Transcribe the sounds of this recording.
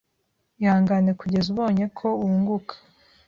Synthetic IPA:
jaːŋɡane̞kuɟe̞zuβo̞ːɲe̞kʰo̞uːŋɡukʰḁ

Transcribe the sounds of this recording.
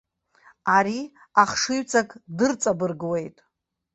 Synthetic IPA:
aɾi | aχʂɨɥt͡sʰʼakʼdɨrt͡sʼabɨrɡwe̞jtʼ

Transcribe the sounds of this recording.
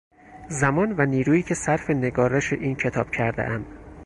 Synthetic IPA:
zæmɒːnvæniːɾuːiːcʰe̞sæɾfe̞ne̞ɡɒːɾeʃḛʔiːncʰe̞t̪ʰɒ̰ːb̥cʰæɾd̪ḛʔæm

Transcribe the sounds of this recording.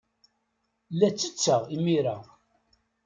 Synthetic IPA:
lːæt͡sːət͡sːəʁimiɾa

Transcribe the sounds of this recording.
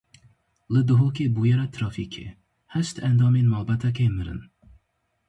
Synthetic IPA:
lɨd̪ʊɦokebujɛɾat̪ʰɾɑfikʰḛ | hæʃt̪ʰænd̪ɑːmenmalbat̪ʰæk̬ʲʰejmɨɾɨ̰n

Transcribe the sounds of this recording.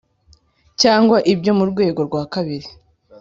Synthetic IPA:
caːŋɡwaʔibɟo̞muɾɡwe̞ːɡo̞ɾɡwaːkaβiɾi

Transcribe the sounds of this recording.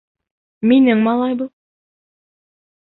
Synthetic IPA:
minɘŋmɑlˠɑjbɤ

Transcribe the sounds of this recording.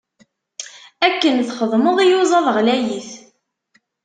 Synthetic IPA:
ækːənθχəðˤməðˤijuzˤɑðˤəʁlæjiθ

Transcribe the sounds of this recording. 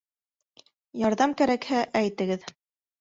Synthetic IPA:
jɑɾðɑmkæɾækhæʔæjt̪ɘ̆ɡɘð

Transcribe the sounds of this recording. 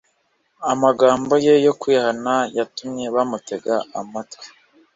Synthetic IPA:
amaɡaːmbo̞je̞jo̞kihanajatumɲe̞βamute̞ɡaamatḁ

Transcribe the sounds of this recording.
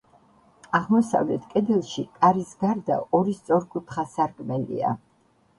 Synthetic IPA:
aʁmɔsa̰vlɛt̪ʰkʼɛd̪ɛlˠʃikʼaɾisɡaɾd̪a̰ɔɾist̪sʼɔɾkʼut̪ʰχasaɾkʼmɛlḭa̰

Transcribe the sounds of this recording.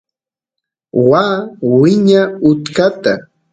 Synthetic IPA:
waːwɪɲaʊt̪kat̪a

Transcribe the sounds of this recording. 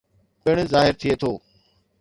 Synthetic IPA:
pɪɽ̃zaːɦɪɾt̪ʰɪiet̪ʰoː

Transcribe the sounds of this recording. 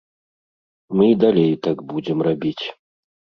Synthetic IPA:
mɨid̪alʲejt̪aɡbud͡zʲɛmrabʲit͡sʲ

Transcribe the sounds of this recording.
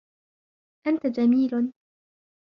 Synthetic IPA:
ʔant̪ad͡ʒamiːl

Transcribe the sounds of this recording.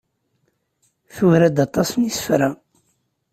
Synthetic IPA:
θuvɾæd̪ɑt̪ˤɑsnisə̥fɾa

